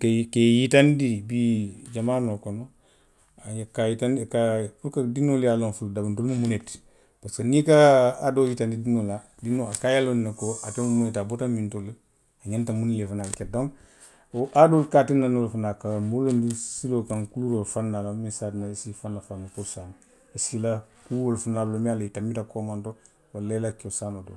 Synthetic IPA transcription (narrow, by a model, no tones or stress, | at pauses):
kekejitandibid͡ʒamaːnokono | aɲakajitankapuɾkadinoljalonfuldabandolmumunet | paskanikaːdojitandidinola | dinoakajalonnakoatemumunetabotammintol | aɲantamunilefanalket̚dõŋ | ʔadolkatinanolfanakamulondisilokaŋkuluɾolfanːalamisaːdinaisifanːafankosan | isilakuwolfunaːblomialaitamːitakomanto | walːalakiosanodo̰